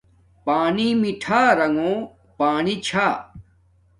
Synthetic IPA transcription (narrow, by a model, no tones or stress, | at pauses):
paːnimiʈʰaːɾɐŋɡõː | paːnit͡ɕʰaː